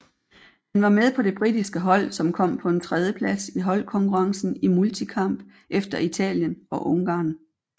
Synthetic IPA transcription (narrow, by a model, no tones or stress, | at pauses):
hænʋɑ̈með̞ˠpʰɒ̽d̥e̝b̥ʁidisɡ̥əɦɒ̽l̰sɒ̽mkʰɒ̽m̰pʰɒ̽e̝nt͡sʰʁɛð̞ˠjəpʰlæsiɦɒ̽lkʰɒ̽ŋkʰuʁɑ̈ŋsn̩imult͡sʰikʰɑ̈m̰b̥ | ʔefd̥ɐit͡sʰɛ̰ːljənɒ̽ʔɔ̽ŋɡ̥ɑ̰̈ːn